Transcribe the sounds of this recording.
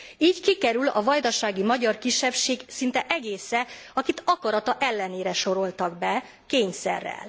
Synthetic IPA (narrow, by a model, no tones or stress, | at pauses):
iːɟkikɛɾylɒ̰vɒjd̪ɒʃaːɡimɒɟɒrkiʃːɛpʃeːɡsint̪ɛʔɛɡeːsɛɒkit̪ɒkɒɾɒt̪ɒʔɛlːɛneːɾɛʃo̞ɾo̞lt̪ɒɡbɛ | keːɲsɛ̰rːɛ̰l